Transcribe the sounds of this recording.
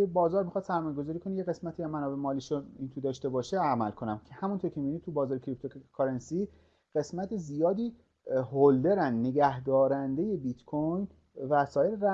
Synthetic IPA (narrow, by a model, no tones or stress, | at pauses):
ebɒːzɒːɾmixɒːd̪̥sæɾmɒːjeɡo̞zɒːɾiːkʰonijeɣe̞smæt̪ʰiːjæmænɒːbemɒːliʃoint̪ʰud̪ɒːʃt̪e̞bɒːʃeæmælkʰo̞næmcʰehæmunt̪ʰoɾicʰemiinid̪̚t̪ʰubɒːzɒːɾecʰɾip̚t̪ʰokʰɑɾensi | ɢ̥e̞smæt̪ʰezijɒːd̪iː | hold̪e̞ɾænːe̞ɟæhd̪ɒːɾænd̪e̞je̞bit̪kʰojn | væsɒːje̞ɾeɾæ